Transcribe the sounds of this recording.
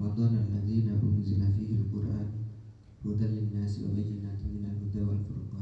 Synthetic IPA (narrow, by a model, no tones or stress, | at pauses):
ɑd̪ˤɑnʔalːaðiːnaʔʊnzɪlafiːhalqʊɾʔaːn | hʊd̪anlɪnːaːsʔʊ̰ʕid͡ʒɪnat̪mɪnalmʊd̪awalfʊ̰ɾˤqɑː